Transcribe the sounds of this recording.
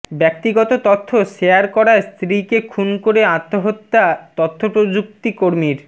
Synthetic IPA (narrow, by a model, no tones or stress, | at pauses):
bɛk̚t̪iɡɔt̪ot̪ɔt̪ʰːoʃejaɾkɔɾaest̪ɾikekʰunkoɾeat̪ːoɦot̪ːat̪ot̪ʰːopɾod͡ʑuk̚t̪ikoɾmiɾ